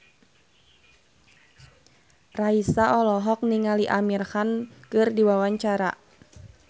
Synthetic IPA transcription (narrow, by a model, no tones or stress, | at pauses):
raisaʔɔlɔɦɔk̚niŋaliʔamirhankɨrdiwawaɲt͡ʃaɾa̰